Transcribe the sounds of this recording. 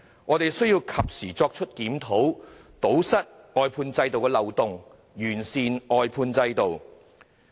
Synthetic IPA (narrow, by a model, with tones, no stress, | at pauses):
ŋɔː˨˧t̪e˨jsɵ˥ɥjiː˧wkʰɐ˨p̚siː˨˩t͡sɔː˧k̚t͡ʃʰɵ˥t̚kiː˨˥mt̪ʰo˨˥wt̪o˨˥wsɐ˥t̚ | ɔː˨˧jpʰuː˧nt͡sɐ˧jt̪o˨wkɛː˧lɐ˨wt̪ʊ˨ŋ | jyː˨˩nsiː˨nɔː˨˧jpʰuː˧nt͡sɐ˧jt̪o˨w